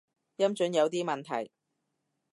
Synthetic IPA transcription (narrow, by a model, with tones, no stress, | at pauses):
jɐ˥mt͡ʃɵ˨˥njɐ˨˧wt̪iː˥mɐ˨nt̪ʰɐ̰˨˩j